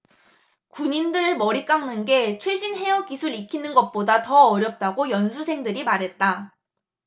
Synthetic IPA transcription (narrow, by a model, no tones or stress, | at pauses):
kuɲindɯɭmʌɾik͈aŋnɯnɡe̞t͡ɕʰwed͡ʑinɦe̞ʌkisʰuɾikʰinɯnɡʌt̚p͈odatʌːɾjʌp̚t͈aɡojʌnsʰusʰe̞ŋdɯɾimaɾɦe̞t̚t͈a